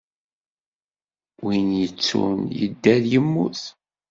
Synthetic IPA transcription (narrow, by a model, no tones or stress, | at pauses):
winjət͡sːṵnjə̰d̪ːæðjəmːuθ